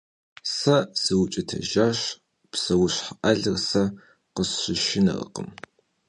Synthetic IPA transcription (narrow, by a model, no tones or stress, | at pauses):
sɐsɨwʊt͡ʃʼɪtʰɐ̰ʒaːɕ | psɐwʊɕħʔɐɮɨrsɐ | qəsɕɪʃɪnɐ̰rə̰qə̰m